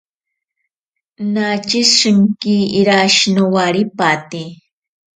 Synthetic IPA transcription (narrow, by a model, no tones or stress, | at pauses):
nat͡ʃisʂɨŋkiːɾaʃnowaɾipat̪i